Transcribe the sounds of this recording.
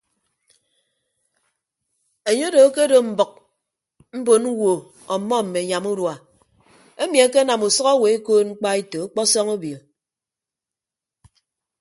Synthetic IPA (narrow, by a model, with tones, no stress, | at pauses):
e˨ɲe˦do˨˦ke˦do˨m̩˨bʌ˨k̚ | m̩˦bo˨n˦wo˨ | ɔ˨mːɔ˦m̩˨me˨ɲa˨mu˦ɾwa˨ | e˦mi˨a˦ke˦na˨mu˨sɔ˦ɣa˦we˨e˦koː˦t̚ŋ͡m̩˦k͡pa˦i˦to˨a˦k͡pɔ˦sɔ˦ŋo˦bi˨l